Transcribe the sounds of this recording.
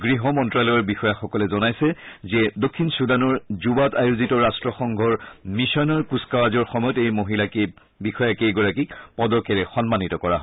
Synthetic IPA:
ɡɹiɦɔmɔntɹalɔjɔɹbixɔjaxɔkɔlɛzɔnajsɛzɛdokʰːinsudanɔɹzubatajuzitɔɹastɹɔxɔŋɡʱɔɹmisɔnaɹkuskawazɔɹxɔmɔjɔtejmoɦilake | bixɔjakejɡɔɹakikpɔdɔkɛɹɛxɔnmanitɔkɔɹa̰ɦɔ

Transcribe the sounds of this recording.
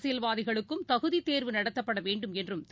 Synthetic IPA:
sɪjɐlʋaːðɪɣɐɭɯkkːɯmt̪ɐɣɯðit̪eːɾʋɯnɐɽɐt̪ːɐpːɐɽɐʋeːɳɖɯmɛndrɯmt̪

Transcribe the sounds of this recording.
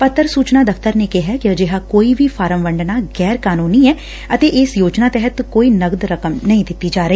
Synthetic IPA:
pət̪ːəɾsuːt͡ʃnaːd̪əfʰt̪əɾneːkeɦɛːkɪəd͡ʒɪɦakoːiːbʱiːfʰaːɾəmʋəɳɖnaːɡɛːɾkaːnuːniːɛː | ət̪eːʔɪsjoːd͡ʒnaːt̪ɛɦət̪koːiːnəɡd̪ɾəkəmnəɦĩːd̪ɪt̪ːiːd͡ʒaːɾəɦiː

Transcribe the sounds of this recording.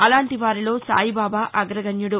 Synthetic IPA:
ɐlaːɳʈiʋaːɾilo̞ːsa̰ːjibaːbaːʔɐɡɾɐɡɐɲjuɽu

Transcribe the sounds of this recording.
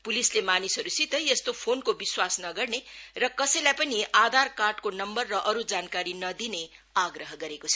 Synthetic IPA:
pulislemanisɦʌɾusit̪ʌjʌst̪opʰonkobiswasnʌɡʌrnerʌkʌsʌjlajpʌniʔad̪ʱarkarɖkonʌmbʌrːʌʔʌɾud͡zankaɾinʌd̪ine | aɡrʌɦʌɡʌɾekot͡sʰʌ

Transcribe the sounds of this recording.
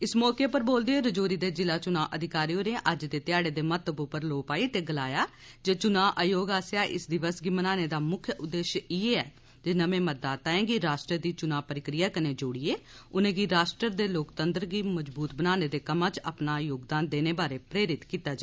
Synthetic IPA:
ɪsmɔːkeːpəɾboːld̪eeːɾəd͡ʒoːɾiːd̪eːd͡ʒɪlaːt͡ʃʊnãːʔəd̪ʱɪkaːɾioːnẽːʔəd͡ʒd̪eːt̪ɪjaːɽeːd̪eːmət̪əbʊpəɾloːpaːiːt̪eːɡəlaːjaː | d͡ʒet͡ʃʊnaːʔaːjoːɡaːsejaːʔɪ̰sd̪ɪʋəsɡiːmənaːneːd̪aːmʊkʰjəʊd̪ːeːʃieːɛː | d͡ʒeːnəmẽːməd̪aːt̪ãɛ̃ːɡiːɾaːsʈɾəd̪iːt͡ʃʊnãːpəɾɪkɾɪjaːkəneːd͡ʒoɽiːeːʊnẽːɡiːɾaːsʈɾəɾd̪eːloːkt̪ənd̪əɾɡiːməd͡ʒbuːt̪bənaːneːd̪eːkəmãːt͡ʃə̰pnaːjoːɡd̪aːnd̪eːneːbaːɾeːpɾeːɾɪt̪kiːt̪aːd͡ʒa

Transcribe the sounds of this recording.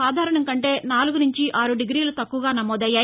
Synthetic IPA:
aːd̪ʱaːɾɐɳɐŋkɐɳʈe̞ːnaːluɡunuɲt͡ʃiʔaːɾuɖiɡɾiːlut̪ɐkːuʋɐɡaːnɐmɔːd̪ɐjːaː

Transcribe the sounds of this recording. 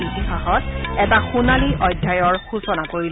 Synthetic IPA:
itixaxɔt̚ɛtaxunaliʔɔjdʱjajɔɹxusɔnakoɹil

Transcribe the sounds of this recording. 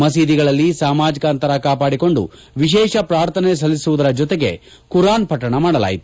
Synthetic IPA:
mɐs̬iːd̪iɡɐɭɐlːisaːmaːd͡ʒikɐɐnt̪ɐɾɐkaːpaːɽiko̞ɳɖṵ | ʋiʃ̬ɛːʃɐpɾaːɾt̪ʰɐnes̬ɐlːisuʋud̪ɐɾɐd͡ʒɔt̪eɡe̞ | kuɾaːnpɐʈːɐɳɐmaːɽɐla̰ːjit̪u̥

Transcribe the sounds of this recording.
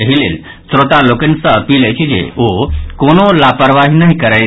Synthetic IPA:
əɦilḛl | sɾot̪alokənsə̃əpiləjt͡ʃʰid͡ʒḛokonolapəɾʋaɦinəɦikəɾəj

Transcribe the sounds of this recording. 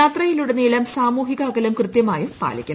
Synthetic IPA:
aːt̪rɐjiluɽeniːlɐmsaːmuːɦiɣaːɡɐlɐmkrɨt̪jɐmaːjupa̰ːlḭkʲːuɳ

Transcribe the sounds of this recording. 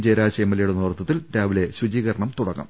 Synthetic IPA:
d͡ʑeːɾaːɕɐjːmːɐlɐjuɽenuːrt̪ʰːɐt̪ːilɾaːʋile̞ɕwud͡ʑiːɣɐɾɐɳɐmt̪uɽɐkːɐ̰m

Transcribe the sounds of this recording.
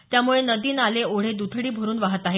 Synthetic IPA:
t̪jamuɭenəd̪iːnaleoɽ̤ed̪ut̪ʰɽiːbʱəɾuːnʋaɦət̪aɦe

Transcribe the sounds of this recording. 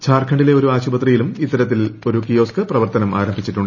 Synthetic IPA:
t͡ɕʰaːrkʰɐɳɖile̞o̞ɾuaːɕubɐt̪rijilumit̪ːɐɾɐt̪ːilo̞ɾukijo̞ːskɐprɐʋɐrt̪ɐnɐma̰ːɾɐmbʱit͡ɕːiʈːuɳɖ

